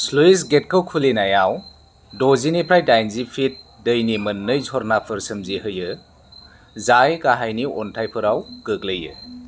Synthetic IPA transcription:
sluisɡet̚kʰəwkʰulinajaw | dɔzinipʰɾajdajnzipʰit̚ | dəjnimɐnːɯjzɔɾnapʰɯɾsɯmzihɯjɯ | zajkaɦajniɔntʰajpʰɯɾawɡɯk̚ləjɯ

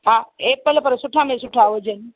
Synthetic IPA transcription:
ɦãepələpəɾsuʈʰamẽsuʈʰaʋəd͡ʒən

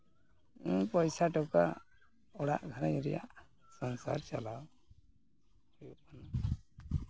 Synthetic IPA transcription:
pɔjsaʈɔka̰ | ɔɽa̰ʔɡʱaɾajɾɛja̰ʔ | sɔnsa̰ɾt͡ʃalaw | ujuʔmana

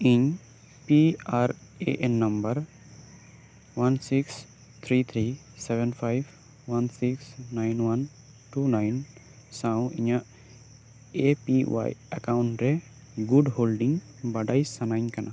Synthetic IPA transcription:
iɲ | piaɾeʔɛnːɐmbəɾ | wansiks | t̪ʰɾit̪ʰɾi | sɛbɛnpʰajb | wansiksnajnwan | ʈuːnajn | sãw̃ḭɲaʔ | epḭwa̰jɐ̰kaʊɳʈɾɛ | ɡuɖholɖiŋ | bɐɖajsɐnaɪɲkɐnʔa

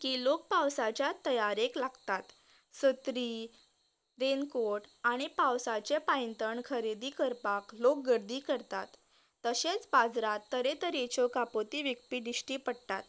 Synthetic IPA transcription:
kiːlok̚pawsat͡ɕjat̪əjaɾeklaɡt̪at̪ | sət̪ɾiː | ɾenkoʈaɽ̃ipawsat͡ɕepajənt̪əɳkʰəɾed̪iːkəɾpaklok̚ɡəɾd̪iːkəɾt̪at̪ː | əɕet͡sbad͡zɾat̪ːəɾet̪əɾet͡ɕɔkapot̪iːʋik̚pid̪iɕʈiːpəɽt̪at̪

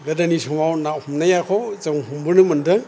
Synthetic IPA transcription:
ɡɐdanisɔmawnahumnajakʰɔzaŋɦumbɯɾnɯmɐndɯŋ

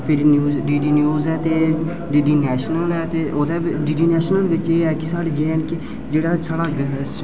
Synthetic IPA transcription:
pʰɪɾnjuːɖiːɖiːnjuːzɛːt̪eː | ɖiːɖiːnɛːʃnəlɛːt̪eːʔod̪ɛːɖiːɖiːnɛːʃnəlʋɪt͡ʃeːɛːkɪsaːɽeːd͡ʒeːənkɪ | d͡ʒeːɽaːsʰəɽaɡs

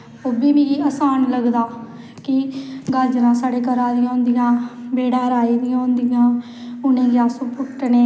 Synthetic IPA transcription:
oːbiːbiːəsaːnləɡd̪aː | kɪɡəɾd͡ʒlãːsaːɽeːkəɾãːd̪ɪjãːõːnd̪ɪjãːbeːɽaːɾaːiːd̪ɪjãːnd̪ɪjãː | ʊnẽːɡjaːsuːpʊʈneː

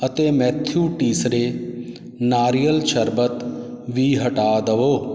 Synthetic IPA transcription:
ət̪eːmɛːt̪ʰjuːʈiːsɾeː | naːɾijəlʃəɾbət̪ | ʋiːɦəʈaːd̪əʋoː

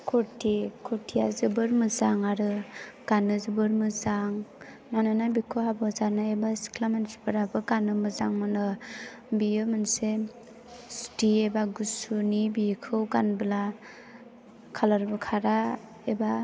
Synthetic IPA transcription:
kʰɔɾtʰikʰɔɾtʰijazɯbɯɾmɯzaŋaɾɯɡ̥anɯzɯbɯɾmɯzaŋ | nanɯnabikʰohabɔzaɾnaebasi̥kʰlamensbɯɾabɯɡanɯmɯzaŋmɯnɯ | bijɯmanse | stiebaɡusunibikʰɯwɡanbɯla | kʰalaɾbɯkʰaɾa | eba

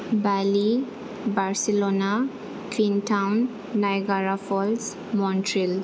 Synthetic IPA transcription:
bali | baɾsilona | kʋinʈʰawnː | ajɡaɾafɔls | mɔnʈɾil

